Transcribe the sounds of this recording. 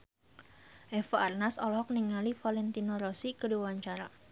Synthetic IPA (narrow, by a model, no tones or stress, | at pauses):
ʔɛfaarnasɔlɦɔk̚niŋalifalɛnt̪inoɾɔsikədiwaɲt͡ʃaɾa